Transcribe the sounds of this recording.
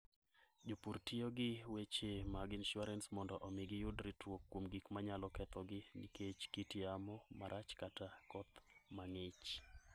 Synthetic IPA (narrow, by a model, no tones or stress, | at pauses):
d͡ʒopurtioɡɪwet͡ʃemaɡinʃʊaɾɛnsmɔndɔʔɔmɪɡɪjʊdɾitwokːwomɡikmaɲalɔkɛt̪ɔɡɪnḭket͡ʃkitiamɔmaɾʔat͡ʃkatakɔt̪maŋɪt͡ʃ